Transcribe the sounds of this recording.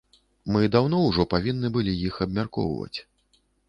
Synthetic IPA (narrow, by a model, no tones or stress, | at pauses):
mɨd̪awn̪ɔwʐɔpavʲinːɨbɨlʲijixɐbmʲarkɔ̰wvɐ̰t͡sʲ